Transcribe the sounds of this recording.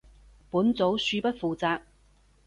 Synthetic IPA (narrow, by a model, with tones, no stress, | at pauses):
puː˨˥nt͡so˨˥wsyː˧pɐ˥t̚fuː˨˩t͡saː˧k̚